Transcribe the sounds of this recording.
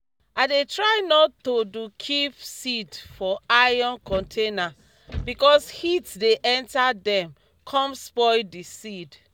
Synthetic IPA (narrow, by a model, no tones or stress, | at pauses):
adetɹajnɔtːodukʰivsidfɔajɔ̃nkɔ̃ntʰena | bikɔshitdeʔɛ̃ntadɛ̃m | kʰɔ̃mspɔɪdisid